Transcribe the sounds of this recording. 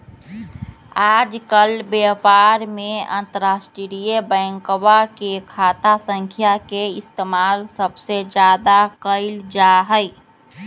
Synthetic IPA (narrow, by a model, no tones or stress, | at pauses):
ad͡ʒkəlbjapaɾmeə̰̃nt̪əɾasʈɾɾijəbəŋkwakekʰat̪asə̃ŋkʰjakeɪst̪emalsəbsed͡ʒad̪akəɪld͡ʒaɦəɪ